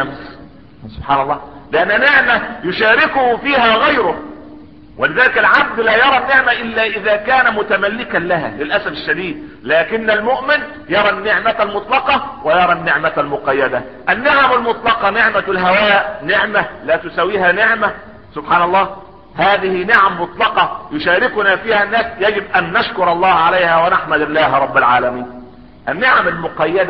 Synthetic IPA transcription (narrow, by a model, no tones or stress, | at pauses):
ms | sʊb̥ħaːnɑlˤːɑːlɪʔanːnɪʕmæjʊʃaːɾɪkʊhʊfiːɦæːɣajɾʊ | wʔɪlɪðæːlɪkalʕab̚d̪laːjɑɾˤɑnːɪʕmaʔɪlːæːʔɪðæːkaːnæmʊt̪æmalːɪkanlaɦa̰ːlɪlʔæsæfɪʃːæd̪iːd̪̚ | laːkɪnːalmʊʔmɪn | jɑɾˤɑnːɪʕmaalmʊt̪ˤlɑqɑwɪjɑɾˤɑnːɪʕmalmʊqɑjːæd̪a | ʔænːeʕamalmot̪ˤlɑqɑneʕmalɦawaːʔnɪʕmælæːt̪ʊsæwːiːhæːnɪʕmæ | sʊbħaːnɑlˤːɑː | haːðɪhinɪʕamːʊt̪ˤlɑqɑjʊʃaːɾɪkʊnaːfiːhænːæːsjæɡɪbʔænːaʃkʊɾˤɑlˤːɑːhʕalajhæːwanaħmæd̪ɪlːaːhɾˤɑbːalʕa̰ːlæmiːn | ʔanːɪʕamalmʊqɑjːæd̪æ